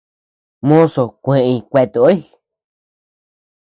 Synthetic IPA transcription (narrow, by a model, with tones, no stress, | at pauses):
mõ˦so˨kʷẽ˨˧ʔkʷe˧t̪u˧o˦i˦˧